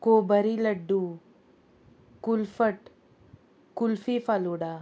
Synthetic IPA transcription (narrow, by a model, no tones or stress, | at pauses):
kobəɾiləɖːu | kulfəʈ | kulfifaluɽa